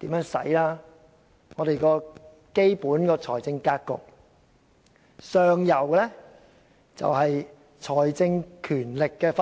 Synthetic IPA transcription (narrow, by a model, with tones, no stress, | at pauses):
t̪iː˨˥mjœː˨˥ŋsɐ̰˨˥jlaː˥ | ŋɔː˨˧ɾe˨jkɔː˧ | ke˥jpuː˨˥nkɔː˧t͡ʃʰɔː˨˩jt͡sɪ˧ŋkaː˥kkːʊ̰˨k̚ | sœː˨ŋjɐ˨˩wɛ˧lɛ˥ | t͡sɐ̰˨wɦɐ˨j | t͡ʃʰɔː˨˩jt͡sɪ˧ŋkʰyː˨˩nlɪ˨kːɛː˧f